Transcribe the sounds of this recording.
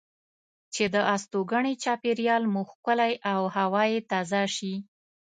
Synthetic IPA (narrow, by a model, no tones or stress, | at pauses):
t͡ʃed̪əʔast̪oɡaɳet͡ʃɑpeɾjɑlmuxkəlajʔawhawɑjet̪ɑzɑʃi